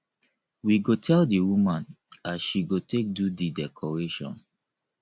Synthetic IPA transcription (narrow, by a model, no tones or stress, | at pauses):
wiɡotʰɛldiwumãn | asʃiɡotʰek̚dudidɛkʰɔɹeʃɔ̰̃n